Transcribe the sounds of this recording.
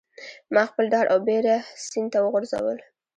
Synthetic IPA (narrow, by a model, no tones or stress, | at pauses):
mɑxpəld̪ɑɽʔawbeɾasind̪t̪awəɣʊɾza̰wə̰l